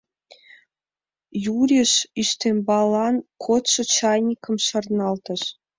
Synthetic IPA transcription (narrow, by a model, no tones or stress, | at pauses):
juɾʲeʃyst̪ʲemʲbɑlˠɑnkʰot̪ʃɤ̆t͡ɕɑjnʲikɤ̆mʃɤ̆rnɑlˠt̪ɤ̆ʃ